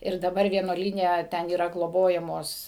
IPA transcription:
ɪr dɐˈbɐr ʋʲiɛnuɔˈlʲiːnʲɛ ˈtʲɛn iːˈrɐ ɡlˠoːˈboːjɛmoːs

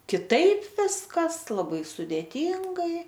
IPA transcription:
kʲɪˈtɐɪp ˈʋʲɪskɐs lˠɐˈbɐɪ sʊdʲeːˈtʲiːŋɡɐɪ

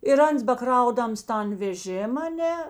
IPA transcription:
ɪr ˈɐns bɐˈkrɐʊdɐms ˈtɐn ʋʲɛˈʒʲeːm ɐˈnʲɛ

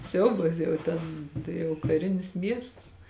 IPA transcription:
ˈsʲɛʊbɐs jɛʊ ˈtʲɛn tɐɪ jɛʊ kɐˈrʲɪnʲɪs ˈmʲiɛsts

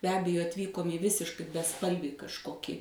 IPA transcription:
bʲɛ ˈɑːbʲɛjoː ɐtʲˈʋʲiːkoːm iː ˈʋʲɪsʲɪʃkɐɪ bʲɛˈspɐlʲʋʲiː kɐʃˈkoːkʲiː

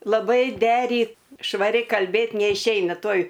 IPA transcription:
lˠɐˈbɐɪ ˈdʲæːrʲiːt ʃʋɐˈrʲɪ kɐlʲˈbʲeːt nʲɛɪʃʲˈɛɪnɐ ˈtuɔj

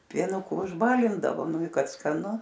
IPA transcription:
pʲiɛˈnʊkʊ ʊʒˈbɑːlʲɪndɐʋoː ˈnʊ ɪ ˈkɐt skɐˈnʊ

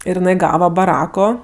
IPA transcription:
ɪr jɪˈnɐɪ ˈɡɑːʋɐ bɐˈrɑːkoː

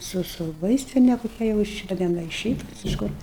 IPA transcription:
ˈsʊ sʊ ˈʋɐɪsʲtʲɪnʲɛ koːˈkʲɛ jɛʊ ˈɪʃ dɐ tʲɛn ˈɡɐlʲ ɪr ˈʃʲɛɪp ɪʃ ˈkʊr

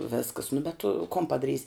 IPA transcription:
ˈʋʲeːskɐs nʊ bʲɛt tʊ koːn pɐdɐˈrʲiːsʲ

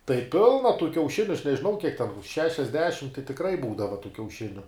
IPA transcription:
tɐɪ ˈpʲɪlˠnɐ tuː kʲɛʊˈʃʲɪnʲʊ ɐʃ nʲɛʒʲɪˈnɐʊ kʲiɛk tʲɛn ʃʲɛʃʲɛzʲˈdʲæːʃʲɪm tɐɪ tʲɪkˈrɐɪ ˈbuːdɐʋɐ tuː kʲɛʊˈʃʲɪnʲʊ

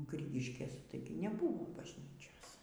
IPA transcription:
ˈɡrʲɪɡʲɪʃʲkʲeːs ˈtɐɪɡʲɪ nʲɛˈbʊʋoː bɐʒʲˈnʲiːt͡ʃʲoːs

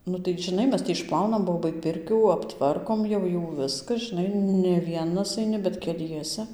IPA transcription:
ˈnʊ tɐɪ ʒʲɪˈnɐɪ ˈmʲɛs tʲɪ ɪʃˈplˠɐʊnɐm ˈboːbɐɪ ˈpʲɪrʲkʲuː ɐpˈtʋɐrkoːm jɛʊ ˈjuː ˈʋʲɪskɐ ʒʲɪˈnɐɪ nʲɛ ˈʋʲiɛnɐs ɐɪˈnʲɪ bʲɛt kʲɛˈlʲiɛsʲɛ

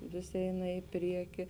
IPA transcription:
ˈʋʲɪs ˈɛɪnɐ ɪ ˈpʲrʲiɛkʲɪ

